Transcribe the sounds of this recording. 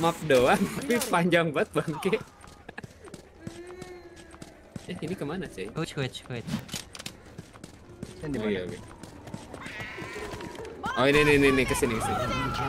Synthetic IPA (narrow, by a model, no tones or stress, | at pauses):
map̚doaŋt̪apipaɲd͡ʒaŋbat̪̚baŋke | jainikəmanasajt͡ʃt͡ʃ | jaɡɛ | oininininikəsinikəsin